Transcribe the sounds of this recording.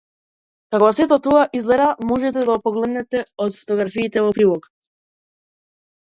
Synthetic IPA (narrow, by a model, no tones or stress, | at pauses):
kakvasɛt̪ɔt̪ɔaʔizɡlɛɾd̪amɔʒɛt̪ɛd̪aopɔɡlɛd̪nɛt̪ɛɔt̪fo̥t̪ɔɡɾafiːt̪ɛvɔpɾilˠɔk